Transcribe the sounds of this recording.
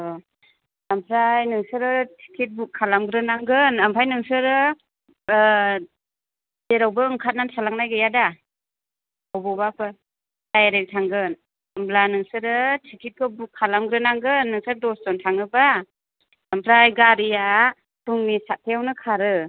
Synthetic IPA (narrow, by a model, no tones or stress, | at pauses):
ɔ | ampʰɾajnɯŋsɯɾɯtʰi̥kʰit̚bukʰːalamɡɾɯnaŋɡɯnampʰajnɯŋsɯɾɯ | deɾawbɯɯŋkʰat̚nantʰalaŋnajɡɯjada | ɔwbɔbapɯ | d̥ajaɾek̚tʰaŋɡɯn | amblanɯŋsɯɾɯtʰikʰit̚kʰɔbukʰːalamɡɾɯnaŋɡɯnːɯŋsɯɾdɔsdɔntʰaŋɯba | ampʰɾajɡaɾija | tuŋnisat̚tʰejawnɯkʰaɾɯ